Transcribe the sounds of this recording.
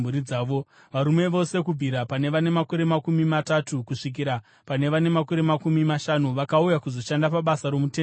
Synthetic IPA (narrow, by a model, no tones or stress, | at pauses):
uɾid͡zaːʋo̞ | ʋaɾume̞ʋo̞se̞kubʱiɾapane̞ʋane̞mako̞ɾe̞makumimatatukuʂik̬iɾa | pane̞ʋane̞mako̞ɾe̞makumimaʃanuʋakaujakuzo̞ʃandapaɓasaɾo̞muteː